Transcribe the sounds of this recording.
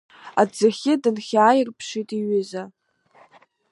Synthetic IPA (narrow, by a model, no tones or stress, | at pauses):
ad͡zɨχʲɪdɨnχʲaːjɪrpʰʂitʼiɥʏza